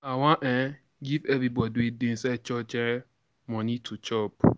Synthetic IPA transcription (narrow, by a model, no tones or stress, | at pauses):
awãʔɛ̃ | ɡivɛvɾibɔdiedẽnsɛt͡ʃɔt͡ʃɛ̃ | mɔ̃nĩtʰut͡ʃɔp